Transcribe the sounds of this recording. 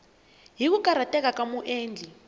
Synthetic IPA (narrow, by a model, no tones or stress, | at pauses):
ɦik̬ukʼaɾatʼɛk̬ak̬ʼamuʔeːnd͡ɮʱi